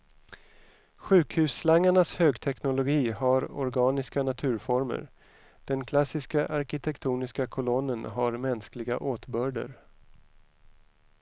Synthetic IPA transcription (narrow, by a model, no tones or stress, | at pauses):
ɧʉ̟ːkhʉ̟ːsːlaŋːaɳashøːɡt̪ʰɛknʊlʊɡiːhaɾɔ̰ɾɡɑːnɪskanat̪ʰʉ̟ːɾfɔɾmə̰ɾ | d̪̥ɛnkʰlasɪskaʔaɾkɪt̪ʰɛkt̪ʰuːnɪskakʰɔlɔnːənɦaɾmɛnsklɪɡa̰ʔoːt̪bœːɖə̰ɾ